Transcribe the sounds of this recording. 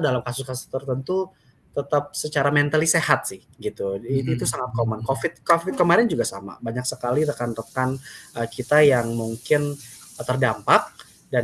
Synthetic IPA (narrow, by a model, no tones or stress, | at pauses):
dalamkasʊskasʊ̥st̪ərt̪ənt̪u | t̪ət̪ap̚sət͡ʃaɾamɛnt̪alisehat̪̚sɪh | ɡit̪uit̪uit̪usaŋat̪̚komənkofɪt̪̚kofɪt̪̚kəmaɾɪnd͡ʒuɡasa̰ma̰baɲaksəkaliɾəkanrək̪anəkit̪ajaŋmuŋkɪn | t̪ərdampak̚ | da